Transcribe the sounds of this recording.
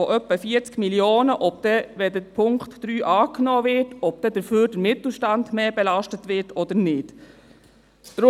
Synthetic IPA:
ɔʔœpːəfiəɾt͡skmiljoːnəʔɔb̚d̥ɛʋɛdəpʰʊŋktːɾyːʔɑːknɔːvɪɹtɔb̚d̥ɛd̥əɾføːɾdəɾmɪtl̩ˠʃtandmeːbɛlaʃtətʋɪɹtʰɔd̪əɾnɪt | d̥ɾʊ

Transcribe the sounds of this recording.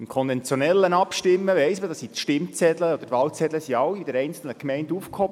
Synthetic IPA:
ɪmkʰɔnvɛnt͡sjonɛlːənɑpʃtɪmːəʋɛɪsmədɑsitʃtɪmt͡sɛd̥̪ləɔd̪ətʋɑlt͡sɛd̥̪ləsiɑwid̥əɾɛɪnt͡sl̩nəkmɛɪndufkhɔbə

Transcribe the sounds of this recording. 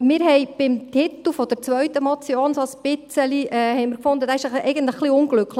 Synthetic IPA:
mɪɾɦɛɪb̥ɪmt̪ʰɪt̪l̩ˠfɔd̥̪ɛɾt͡sʋœɥtəmɑt͡sioːnsɑlspɪt͡səliʔɛːhɛɪmɪɾkfʊnd̪əd̥̪æɪʃəɛɪɡəntləχːliʊnɡlʏkl

